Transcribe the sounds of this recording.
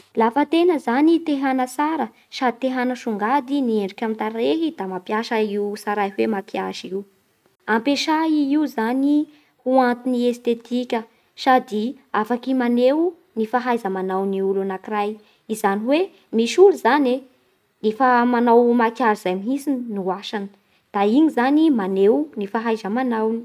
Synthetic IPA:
lafət̪enəzanit̪eɦanəsaɾə | sad̪it̪eɦanəʃuŋɡad̪inieɳɖ͡ʐikʲamint̪aɾeɦid̪amapjaʃəiusaɾawemakiaʃiw | ampeʃaiiuzani | huant̪iniest̪et̪ikʲə | sad̪i | afakimanew | nifaɦajzəmanawniulunakiraj | izaniwe | miʃuluzane | nifamanawmakjaʒiz̥ajmiɦisinnuaʃanə̥ | d̪̥ainizanimanewnifaɦajzəmanawni̥

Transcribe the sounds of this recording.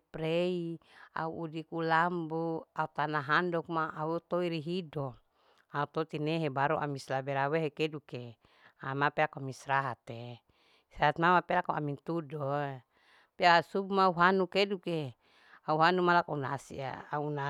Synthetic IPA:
pɾeia̰uːdikulambuaut̪anaɦandɔkmaʔaut̪oiɾiɦido | aut̪ot̪ineɦebaɾuʔa̰mislabɛɾaweɦekeduke | amapelakomisɾaɦat̪e | saat̪̚mamapelakoamint̪udoe | piasubumauɦanukeduke | auɦanumalakaunasḭʔa̰auna

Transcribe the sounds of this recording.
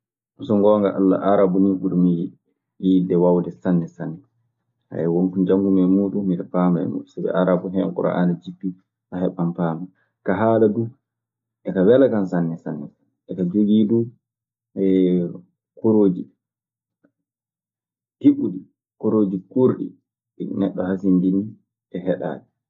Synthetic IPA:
sɔŋɡɔːŋɡaʔalːa̰ʔaɾabuniɡuɾumi | jidɛwawdɛsanːɛsanːɛ | ha̰ɛwonkund͡ʒaŋɡumɛmuːɗumːiɗɛpama̰ɛ̰mṵusabɛ̰ʔaɾabuɦɛmkɔ̰ɾa̰ʔa̰nad͡ʒipːi | ʔahɛɓːampaːma | kaɦaːladu | ʔɛkawɛlakansanːɛsanːɛsan | ɛkad͡ʒoɡidu | ɛ | koɾoːd͡ʒi | hiɓuɗi | koɾoːd͡ʒikuɾɗḭ | nɛ̰ɗːɔhasindini | ɛɦɛɗa̰ːɗɛ

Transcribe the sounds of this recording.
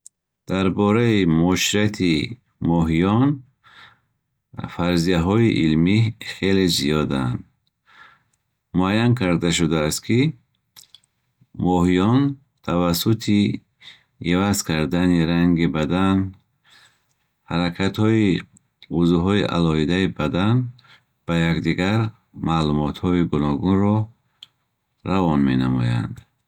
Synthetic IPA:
d̪̥aɾbɔɾaimuɔʃiɾat̪ʰi | mɔɦijɔn | faɾzijaɦɔiʔilmiχe̞lezijɔd̪a̰nd̪ | muajankʰaɾd̪aʃ̬ud̪aːst̪kʰi | mɔɦijɔn | t̪ʰavasut̪ʰi | evazkʰaɾd̪aniɾaŋɡibad̪an | haɾakʰat̪hɔi | uzuɦɔiʔa̰lɔhid̪aibad̪an | b̥ajakd̪iɡaɾ | malumɔt̪hɔiɡunɔɡunrɔ | ravɔnme̞namɔ̰ja̰nd̪

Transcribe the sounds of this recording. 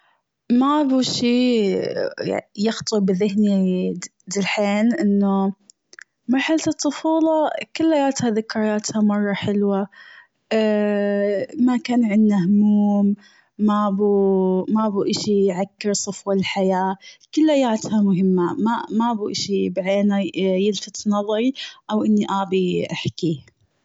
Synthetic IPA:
mabuːʃiː | jɪxt̪ˤɨbɪðɪɦni | d̪ɪlħeːnʔɪnːu | mɑɾˤħalt̪ɨt̪ˤːʊfuːlɑkɪlːajaːt̪haðɪkɾˤɑjaːt̪hamɑrˤːɑħɪlwa | makaːnʕɪnːahmuːmː | abuːmabuːʔɪʃijʕakːɪɾsˤɨfwallħajaːkɪlːajaːt̪hamʊɦɪmːamamabuːʔɪʃibaʕeːnajɪlfat̪nɑðˤɑɾiʔawʔɪnːiʔaːbiʔaħki

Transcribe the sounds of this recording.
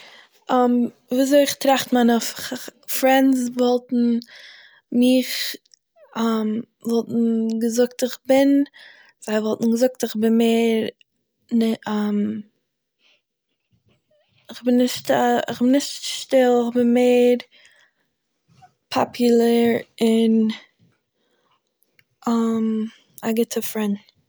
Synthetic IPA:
ʔam | vuːs̬oɪχtɾaχtmanəfχfɾɛnsvɔlˠtn̩ | mɪχ | am | vɔlˠtn̩ɡəzʊk̚tɪχbɪn | z̥aɪvɔlˠtn̩ɡəzʊk̚tɪχbɪnmeɪɾ | nam | ɪχbɪnɪʃtaɪ̰χbɪnɪʃtʃtɪlˠɪχbɪnmeːɾ | pʰapjʊlˠəɾɪn | ʔam | aɡɪtʰəfɾɛnd

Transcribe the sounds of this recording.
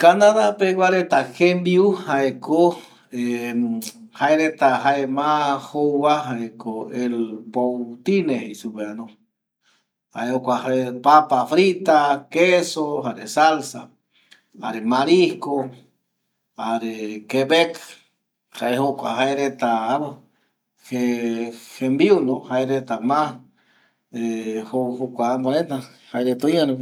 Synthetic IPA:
kanaðapewʷaɾet̪axembiuhaeko | e | haeɾet̪aɦaemahowaɦaekoelpowt̪ineisuβeanõ | ha̰ehokʷahaepapafɾit̪akesoɦaɾesalsa | ha̰ɾemaɾihko | haɾekebek | haehokʷahaeɾet̪aam | he | hembjunohaeɾet̪ama | ehohukʷaamonet̪a | hajɾet̪ujano

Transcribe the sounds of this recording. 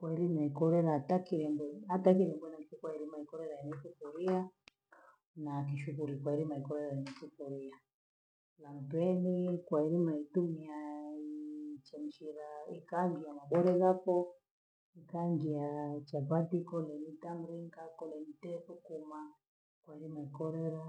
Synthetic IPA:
kwaiɾimaikɔɾɛɾatakiɾɛmbɔhatakiɾɛmbɔnakikwaiɾimaikɔɾɛɾainɛfufuɾia | nak̬iʃuɣuɾikwaiɾimaikɔɾɛɾainɛkufuɾia | lam̩tɛnikwaiɾimaitumiait͡ʃɛmiʃiɾaikaŋɡiamaɓɔɾɛlapɔ | ikaŋɡiat͡ʃabatikɔlɛnitam̩ɾiŋɡakɔlɛnitɛfukuma | kwaiɾimaikɔɾɛɾa

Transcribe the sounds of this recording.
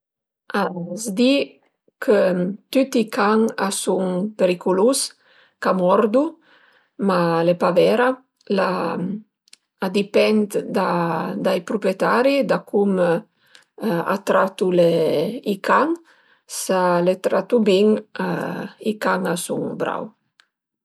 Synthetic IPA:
azd̪i | kʰət̪yt̪ikaŋasuŋpeɾikulus | kamɔɾd̪u | malepavɛɾa | la | ad̪ipɛnt̪d̪ad̪ajpɾupɾjet̪aɾid̪akʰum | a̰t̪ɾat̪uleikaŋ | salet̪ɾat̪ubiŋ | ikaŋasuŋbɾa̰w

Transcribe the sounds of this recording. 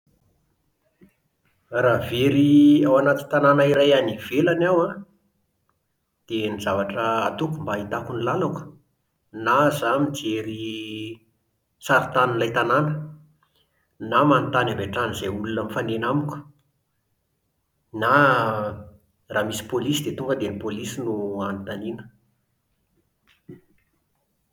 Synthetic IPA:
raveɾiawanat̪i̥t̪ananaiɾajanivelanawã | d̪̥enizavaʈ͡ʂəat̪ukumbait̪akunilanakə̥ | nazamid͡ʒeɾi | saɾit̪aninlajt̪ananə | namant̪anabeʈ͡ʂanizeulunəmifanenamuku̥ | na | raːmisi̥polisid̪et̪uŋɡəd̪enipolisinuant̪aninə̥

